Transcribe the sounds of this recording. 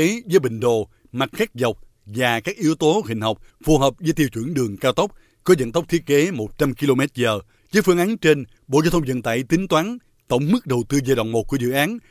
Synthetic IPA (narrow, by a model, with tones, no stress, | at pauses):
e˨˦zə˨˦jɓï˨˩ŋ̟ɗo˨˩ | ma˨˩t̚xɛ˦˥k̚za˨˩wk͡p̚ | vaː˨˩kaː˦˥k̚ʔi˨˦əwt̪o˨˦hï˨˩ŋ̟ɦɔ˨˩wk͡p̚ | fu˨˩ɦəː˨˩p̚zəː˨˦jt̪i˧əwt͡ɕwi˧˩ənɗɨ˨˩əŋkaː˧wt̪ə˦˥k͡p̚ | kɔ˨˦zə̰˧˨nt̪ə˦˥k͡p̚t̪ʰi˦˥ət̚ke˨˦mo˨˩t̚t͡ɕa˧mki˧lo˧mɛ˦˥t̚zəː˨˩ | zə˨˦jfɨ˧əŋʔa˨˦nt͡ɕe˧n | ɓo̰˧˨a˧wt̪ʰə˧ŋ͡mzə̰˧˨nt̪a̰ː˧˨jt̪ï˨˦ŋ̟t̪waː˨˦n | t̪ə̰˧˩wŋ͡mmɨ˦˥k̚ɗə˨˩wt̪ɨ˧zəː˨˩ɗwa̰˧˨wŋ͡mmo˨˩ku˧˩əzɨ̰˧˨ʔaː˨˦n